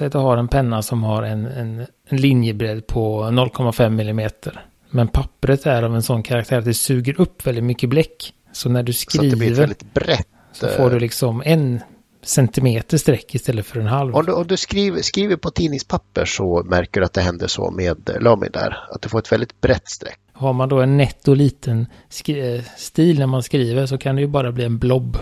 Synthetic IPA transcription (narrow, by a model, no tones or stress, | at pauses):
ɛjat̪d̪ɵɦaɾɛnpʰɛnːasɔmhaɾɛnɛn | nlɪnjəbɾɛd̪ːpʰɔnɔlːkʰɔmːafɛmːɪlːɪmeːt̪ʰəɾ | mɛnpʰapːɾət̪æɾavɛnsɔnːkʰaɾak̚t̪ʰæːɾat̪̚d̪ɛsʉ̟ːɡəɾɵpːvɛld̪ɪt̪mʏkːəblɛkː | sɔnæɖɵskɾiɛvəɛlɪt̪bɾɛt̪ː | sɔfoːɖɵlɪksɔmɛn | sɛnt̪ɪmeːt̪əʂt̪ɾɛkːɪst̪ɛlːət̪fœɾɛnɦalvɔmd̪ɔmd̪ɵskɾiːvskɾiːvəɾpʰɔt̪ʰiːnɪŋspʰapːəʂɔmæɾkəɖɵat̪̚d̪ɛɦɛnd̪ə̰ʂɔ̰meːd̪lœːmɪ̰d̪æ̰ɾat̪̚d̪ɵfoːɾɛt̪vɛld̪ɪt̪̚bɾɛt̪ːst̪ɾɛ̰kːhaɾmand̪ɔɛnːɛt̪ːɔliːt̪ʰən | skst̪iːlnæɾmanskɾiːvəʂɔkʰand̪ɛjɵbɑːɾabliːɛnblɔbː